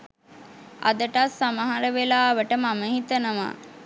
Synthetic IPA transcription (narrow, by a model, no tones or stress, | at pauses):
a̰d̪əʈasːaməɦaɾəʋelaːʋəʈəmaməɦit̪ənəʋa̰